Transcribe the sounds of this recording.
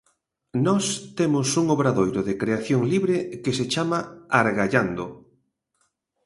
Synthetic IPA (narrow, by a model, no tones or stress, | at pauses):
nɔst̪emʊsuŋoβɾaðojɾoðekɾeaθjoŋliβɾekeset͡ʃamaaɾɣaʎand̪o